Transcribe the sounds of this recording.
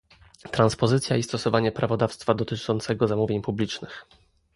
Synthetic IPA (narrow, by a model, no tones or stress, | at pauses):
t̪ɾanspɔzɘt̪sʲjaist̪ɔsɔvaɲɛpɾʔavɔd̪afst̪fad̪ɔt̪ɘt͡ʂɔnt̪sɛɡɔzamuvʲjeɲpublʲit͡ʂnɘx